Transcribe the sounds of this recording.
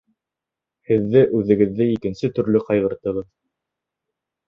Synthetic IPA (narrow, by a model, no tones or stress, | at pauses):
hɘ̆ðːɘʔʉðɘ̆ɡɘ̆ðːɘikɘ̆nsɘt̪ɵ̆ɾlɵqɑjʁɤ̆ɾt̪ɤ̆ʁɤð